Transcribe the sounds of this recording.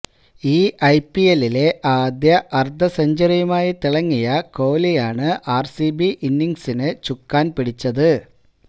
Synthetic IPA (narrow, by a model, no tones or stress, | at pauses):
iːʔɐjpːijelile̞ʔaːd̪jɐʔɐrd̪ɐsɐɲd͡ʑɐɾijɐmaːjit̪iɭɐŋːijɐko̞ːlijaːɳɨʔaːrsibiʔinːiŋsinɨt͡ɕukːaːnpiɽit͡ɕːɐðɨ